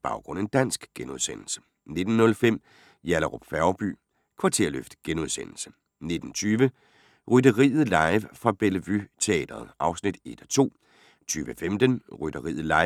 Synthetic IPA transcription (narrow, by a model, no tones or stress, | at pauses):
b̥ɑ̈ʊɡ̥ʁɔ̽n̰e̝nd̥æn̰sɡ̥ɡ̥enuðˠsen̰l̩sə̥ | ne̝d̥n̩ːɔ̽lfem̰ | jæləʁo̰b̥fæʊb̥y̰ː | kʰʋɑ̈t͡sʰe̝ɐ̰løfd̥ɡ̥enuðˠsen̰l̩sə̥ | ne̝d̥n̩t͡sʰyːʋə | ʁydəʁḭːð̩ˠlɑ̈ɪʋfɑ̈b̥elʋyt͡sʰe̝ɛ̰ːd̥ɐð̩ˠʔɑ̈ʊsnid̥e̝d̥ɒt͡sʰo̝̰ː | t͡sʰyːʋəfemd̥ənʁyd̥ɐʁḭːð̩ˠlɑ̈ɪ